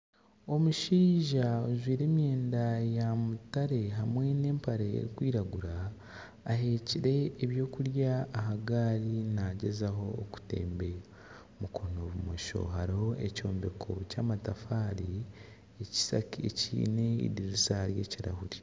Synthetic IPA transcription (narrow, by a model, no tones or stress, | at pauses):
o̞muʃiːʒaozwiːɾe̞ːmje̞ːndajamutaɾe̞ɦamwe̞ne̞ːmpaɾeḛɾikwiːɾaɡuɾaː | ɦe̞ciɾe̞ːβjo̞ːkuɾjaːɦaɡaːɾinaɟe̞zaɦo̞ːku̥te̞̰ːmbe̞ | mukʰo̞noːβumoʃo̞̰ɦaɾihoeco̞ːmbe̞kʰo̞̰caːmatafaːɾi | eci̥sa̰kiḛcḭːne̞ḭɾiɾisahaɾje̞ːciɾa̰huɾi